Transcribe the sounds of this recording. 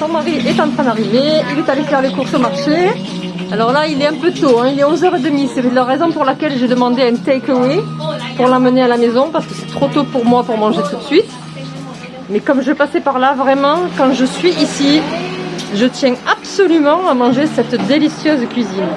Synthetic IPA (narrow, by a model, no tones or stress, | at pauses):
sɔ̃maʁiʔɛt̪ɑ̃t̪χɛ̃nd̪aʁiveilɛt̪alefɛʁlekuʁsomaʁʃe | alɔʁlailɛɛ̃pøt̪oɛ̃ilɛɔ̃zœʁed̪əmisɛlaʁezɔ̃puʁlakʲɛlʒed̪əmɑ̃d̪eɛ̃nt̪ɛkøwepuʁlɑ̃mənealamezɔ̃paʁsə̥kəsɛ̥t̪χot̪opuʁmwapuʁmɑ̃ʒet̪ut̪ə̥sɥit̪ | mɛkɔmʒəvɛpasepaʁlavʁɛmɑ̃kɑ̃ʒəsɥiisi | ʒət̪jɛ̃absɔlymɑ̃amɑ̃ʒesɛt̪d̪elisjœzkʲɥizin